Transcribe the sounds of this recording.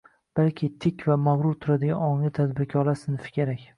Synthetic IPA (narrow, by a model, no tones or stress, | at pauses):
b̥alkʲʰɪt̪ʰɪkʲvamaʁɾʊɾt̪ʰʊɾad̪ɪɡʲanɒŋlɪt̪ʰad̪bɪɾkʲʰɒlasɪnɪfɪ̥kʲʰeɾakʲ